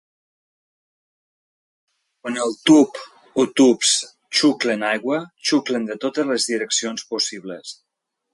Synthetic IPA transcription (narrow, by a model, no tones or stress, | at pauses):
kwanəlˠt̪up | ot̪ups | t͡ʃuklənajɣwət͡ʃuklənd̪ət̪ot̪əzləzðiɾəksionspusiβləs